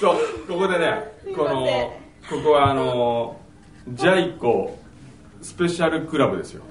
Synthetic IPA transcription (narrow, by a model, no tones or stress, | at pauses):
soːko̞ko̞d̪e̞ne̞ko̞no̞ | ko̞ko̞βaːno̞ | d͡ʑaiko | sɨ̥pe̞ɕaɾɯ̟kɯ̟ɾabɯ̟d̪e̞sɨjo̰